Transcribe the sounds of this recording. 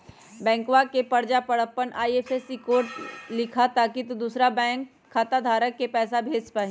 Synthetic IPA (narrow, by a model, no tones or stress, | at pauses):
bɛ̃ːŋkwakepɐɾd͡ʒapɐɽəpːənʔaːiefesikoːɾʈlɪkʰat̪aːkit̪ud̪uːsɾabɛ̃ːŋkʰːaːt̪ad̪ʱaːɾəkːepɛːsabʱeːd͡ʒpaːɦĩ